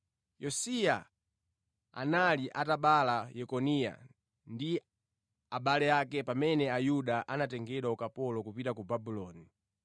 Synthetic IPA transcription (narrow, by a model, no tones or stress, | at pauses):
jɔsia | a̰naliʔataɓalajɛkɔnija̰ | ndi | aɓalɛjakɛpamɛnɛajuɗaʔanat̬ɛŋɡɛɗwaukapɔlɔkupitakubabulɔːni